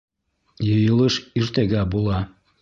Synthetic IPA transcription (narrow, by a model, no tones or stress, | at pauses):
jɤjɤlˠɤʃyrt̪eɣæbulˠɑ